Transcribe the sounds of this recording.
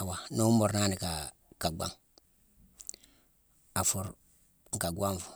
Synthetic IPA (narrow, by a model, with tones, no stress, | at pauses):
a˨wa˨no˦mo˨ɾnaː˦ni˨ka˨ | ka˨ɡ͡ba̰˦ŋ | a˨fu˨ɾ | ŋ̩˨ka˨ɡwa˦ɱfu˨